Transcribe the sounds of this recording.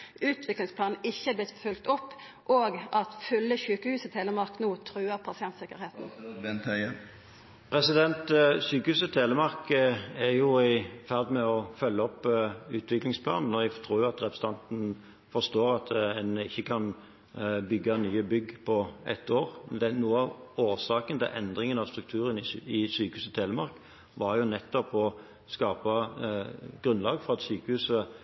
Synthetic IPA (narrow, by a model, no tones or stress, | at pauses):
ʉːt̪ʰʋɪklɪŋspʰlɑːn̩ɪçːəæblɪt̪fʉlkt̪ɔpː | ʔoːɡɑt̪fʏlːəçʉːkəhʉːsət̪ʰeːləmɑʁknuːt̪ʰɾʉːəɾpʰɑsɪɛnt̪sɪkːəɾheːt̪n̩ɛnt̪ʰæ | pʰɾɛsɪd̪ɛnt̪syːkəhʉːsət̪ʰeːləmɑʁkəɛɾjʊɪfæʁd̪mɛɔfœlːəɔpːʉːt̪ʋɪklɪŋspʰlɑ̰ːnn̩ːɔɛɡt̪ʰʁuːɾjʊɑt̪ʁɛpʰɾʁəs̩əɑnt̪n̩ | fɔʁst̪oːɾɑt̪ɛnɪçːəkʰɑn | bʏɡːɑnyːəbʏɡːpʰɔʔɛt̪ːoːʁmnd̪ɛnuːəɑʋoːʁsɑːkənt̪ɪ̰lʔɛ̰nd̪ʁɪŋənɑʋst̪ɾʁʉk̚t̪ʰʉːɾənɪɪsyːkəhʉːsət̪ʰeːləmɑɾk | ʋɑɾjʊnɛt̪ːɔpɔ | skɑːpɑ | ɡ̥ʁʉnlɑːɡfɔʁɑt̪syːkəhʉːsə